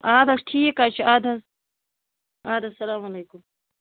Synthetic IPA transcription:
aːd̪ɐʂʈʰijekaːt͡ʃʰiaːd̪ɐ | aːd̪ɐsɐlaːmaleːkʊm

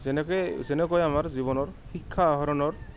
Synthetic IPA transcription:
ɛnɛkzɛnɛkɔjamaɹziβɔnɔɹxikʰːaːɦɔɾɔnɔɹ

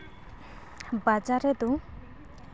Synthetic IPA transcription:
bad͡ʒaɾɛd̪u

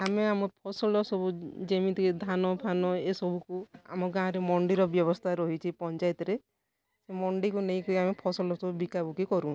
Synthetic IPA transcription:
ameamɔpʰɔsɔlɔsɔbud͡ʒemĩt̪ʰid̪ʱanɔpʰanɔesɔbʱukua̰mɔɡãɾemɔɳɖiɾɔbjɔβɔst̪ʰaɾɔɦit͡ʃʰipɔnt͡ʃajt̪ɔɾe | semɔɳɖikuneĩkɔiamepʰɔsɔlɔsɔbubikabukikɔɾũ

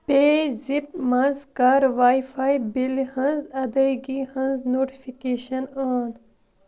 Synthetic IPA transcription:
peːzipmɐnzkaːɾʋaːjfaːjbilhɐnzɐd̪ɐjɡihɐnznoːʈifikeːʃɐnaːn

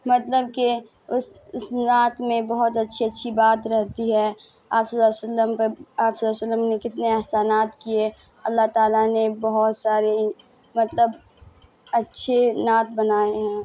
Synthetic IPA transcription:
mɐt̪ləb̚ke | ʊssnaːt̪mẽbɐɦɔt̪ɐtːʃʰiɐtːʃʰibaːt̪ɾɛɦt̪iɦɛː | aːpsɐlːasəlːəmpəaːpsɐlːaːsəlːəmnekɪt̪neɐɦsaːnaːt̪kie | ɐlːaɦt̪aːlanebɐɦɔt̪saːɾe | mɐt̪ləb | ɐtːʃʰenaːt̪̚bɐnaːeɦɛ̃ː

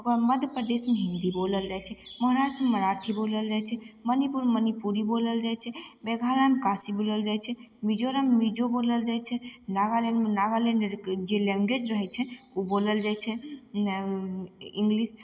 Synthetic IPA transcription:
əɡəɾməd̪ʱjəpɾəd̪esmeɦĩnd̪iboləld͡ʒajt͡ʃʰɛməɦɾaʃʈ̪ɾmeməɾat̪ʰiboləld͡ʒajt͡ʃʰɛmənipuɾmənipuɾiboləld͡ʒajt͡ʃʰɛbɛɡʱalamkasiboləld͡ʒajt͡ʃʰɛmid͡ʒoɾamemid͡ʒoboləld͡ʒajt͡ʃʰɛnaɡaleɖmenaɡalẽɳɖəɾd͡ʒelɛ̃ŋɡwed͡ʒɾəɦɛt͡ʃʰɛuboləld͡ʒajt͡ʃʰɛ | iŋɡlis

